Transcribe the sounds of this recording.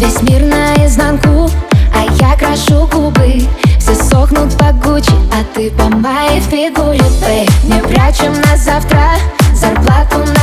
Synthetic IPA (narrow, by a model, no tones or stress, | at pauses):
bʲɪzʲmʲirnəjəznanku | ɐjakɾɐʂuɡubɨfsʲesoxnʊt̪pɐɡut͡ɕɐt̪ɨbɐmbajɪfɪɡulʲɪɛnʲevɾʲat͡ɕɪmnazaft̪ɾə | zɐrplˠat̪ʊn